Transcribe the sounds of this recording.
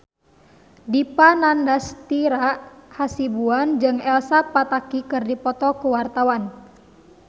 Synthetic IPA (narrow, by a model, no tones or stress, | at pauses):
dipanandast̪iɾaʔhasibuand͡ʒɨŋɛlsapat̪akikɨrdipɔt̪ɔkuwart̪awan